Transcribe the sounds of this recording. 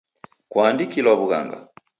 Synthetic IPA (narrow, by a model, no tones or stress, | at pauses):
kwaːndikilwaβuɣa̰ŋɡa̰